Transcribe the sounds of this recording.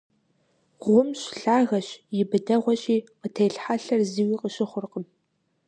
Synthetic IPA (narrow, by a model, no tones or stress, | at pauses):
ʁʷʊmɕɬaːɣɐɕjɪbɨdɐʁʷɔɕʼiːqətʰejɬħaɬɐrziːwiːqəɕɪχʷʊrqəm